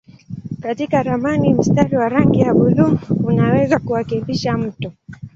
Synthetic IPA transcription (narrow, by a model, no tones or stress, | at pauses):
katikaɾamanim̩staɾiwaɾaŋɡijaɓuðumunawɛzakuakimbiʃam̩tɔ